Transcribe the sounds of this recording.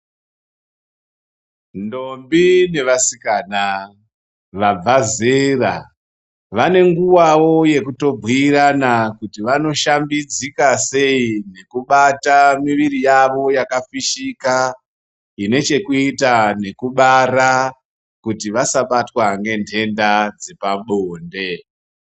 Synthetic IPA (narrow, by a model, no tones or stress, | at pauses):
ndo̞mbine̞ʋasikaːna | ʋab͡vazera̰ | ʋane̞ŋɡuwawo̞je̞kuto̞bʱwiːɾanakutiʋano̞ʃambid͡zikase̞ine̞kuɓatamiʋiɾijaʋo̞jakafiʃika | ine̞t͡ʃe̞kuitane̞kuɓaɾa | kutiʋasaɓatwaŋɡe̞ntʰe̞ndad͡zepaɓoːnde̞